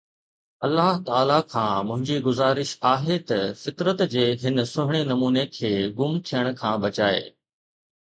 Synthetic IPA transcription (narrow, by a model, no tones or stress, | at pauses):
ɐlːaːɦt̪aːlakʰãːmʊ̃ɦɪ̃ɲd͡ʑiɡʊzaːɾɪʃaːɦet̪ɐfɪt̪ɾət̪d͡ʑeːɦɪnsʊɦɪɽ̃enɐmuːnekʰeːɡʊmt̪ʰijəɽ̃ʊ̆kʰãːbɐt͡ɕaːḛː